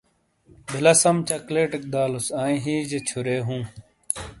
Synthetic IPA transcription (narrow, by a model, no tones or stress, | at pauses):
bʱilɐsɐmt͡ɕɐkleːʈɐk̚d̪aːlusaːĩɦiːd͡ʑet͡ɕʰuɾeːɦũː